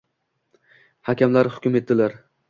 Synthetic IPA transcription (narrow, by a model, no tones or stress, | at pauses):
hakʲamlaɾhʊ̥kʲʊme̞t̪̚d̪ɪlaɾ